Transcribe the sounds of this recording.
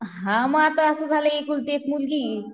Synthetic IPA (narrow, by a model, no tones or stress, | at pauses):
ɦãməat̪əəsəd͡zʱaləekult̪ek̪ʰmulɡiː